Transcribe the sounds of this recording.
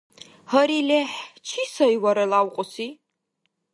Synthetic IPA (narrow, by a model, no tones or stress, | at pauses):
hɐɾileħt͡ʃʰiːsɐjwɐɾɐlawqʷʼʊsiː